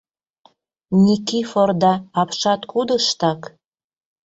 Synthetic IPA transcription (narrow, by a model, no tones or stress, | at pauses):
nʲikiford̪ɑɑpʃɑt̪kud̪əʃt̪ɑk